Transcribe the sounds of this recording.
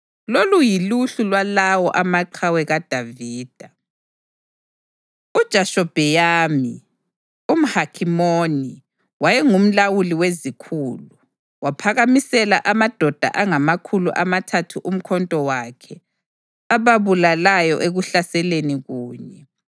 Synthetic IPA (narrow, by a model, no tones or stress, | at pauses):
lolujiluɬulwalawɔʔamaǃʰawɛɣad̥ʱaviːd̥ʱa | ud̥ʒ̥ʱaʃɔb̥ʱɛjaːmi | um̩hakʰimoni | wajɛŋum̩lawuliwezikʰuːlu | wapʰaɣamisɛlaʔamad̥ʱɔd̥ʱa̰ʔaŋamakʰulṵʔamatʰatʰuʔum̩kʰɔntʼɔwakʰɛ | aβaβulalajɔ̰ʔeɣuɬasɛleniɣuːɲɛ